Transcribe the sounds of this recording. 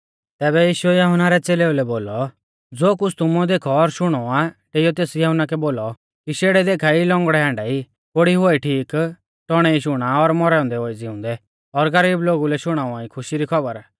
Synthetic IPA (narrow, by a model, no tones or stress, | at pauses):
t̪ɛːβɛjiːʃʊɛjɐɦʊnaɾɛt͡seːleulɛboːlɔ | d͡zoːkʊt͡sʰt̪ʊmɔd̪eːkʰɔːɾʃʊɽ̃ɔaʈeːijɔt̪eːsjɐɦʊnakɛboːlɔ | kiʃeːɽɛd̪eːkʰailɔ̃ŋɡɽɛɦãːɳɖai | koɽiɦʊaiʈʰiːk | ʈ̪ɔɽ̃ɛiʃʊɽ̃aɔɾmɔɾɛːɔ̃nd̪ɛoːid͡zɪʊ̃nd̪ɛ | ɔɾɡɐɾiːbloːɡulɛʃʊɽ̃aːũãikʰʊʃiɾikʰɔbəɾ